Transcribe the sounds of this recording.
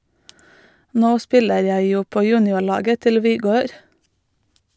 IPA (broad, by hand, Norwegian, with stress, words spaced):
ˈnoː ˈspɪləɾ ˈjæɪ ˈjuː ˈpoː ˈjʉːnɪʊˌɭɑːɡə ˈtɪl ʋɪˈɡøːɾ